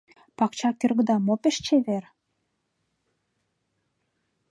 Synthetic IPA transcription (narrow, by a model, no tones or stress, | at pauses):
pɑkt͡ɕɑkʲĕrɡə̆d̪ɑmopĕʃt͡ɕeβer